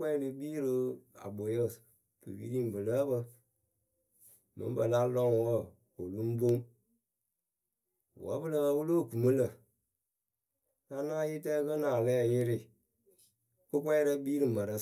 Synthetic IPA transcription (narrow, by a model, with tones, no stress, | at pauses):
kɛ˦lɨ˨biː˦ɾə˦a̰˨bo˨jə˦˨s | bɨ̰˨wi˦ɾi˦m˨bɨ˨lə˦bə˧ | mə̰˨˦m˦bə˨la˦lɔ˦ŋwə˦ | o˨lu˦m˦bo˦ŋ˨ | wə̰˨˦bɨ˦lə˦˨˦wu˦lo˦˨ku˨mə˦lə˨ | na˦na˦ji˦tɛ˦kə˦naː˨lɛ˦˨jɪ˦ɾɪ˦˨ | ko˦kʷɛ˦ɾə˦biː˦ɾɨ˨mə˨ɾə˦